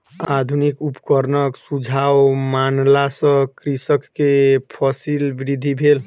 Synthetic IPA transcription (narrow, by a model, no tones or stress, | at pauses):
ad̪ʱunikupkəɾnəksud͡ʒʱawmanlasə̃kɾisəkːepʰɔsilbiɾid̪ʱibʱel